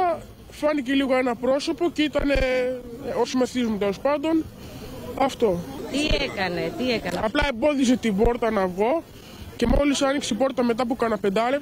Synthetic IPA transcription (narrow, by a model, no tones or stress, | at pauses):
ɐ | fɐnice̞liɣo̞e̞nɐpɾo̞so̞po̞ceit̪ɐne | osimeθizmut̪e̞lo̞spɐnd̪o̞n | ɐft̪o̞t̪iekɐnet̪iekɐnɐplɐe̞mbo̞ðis̬e̞t̪ibo̞ɾt̪ɐnɐvɣo̞ | ce̞molisɐnikseibo̞ɾt̪ɐme̞t̪̬ɐp̬ukɐnɐpe̞nd̪ɐle